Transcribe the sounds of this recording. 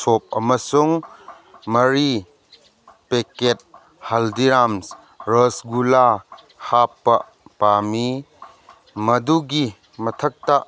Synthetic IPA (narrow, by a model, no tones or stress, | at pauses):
sop̚ɐmɐsuŋ | mɐɾi | peket̚ | hɐldiɾams | ɾɐsɡula | hapːɐ | pami | mɐduɡi | mɐtʰɐk̚ta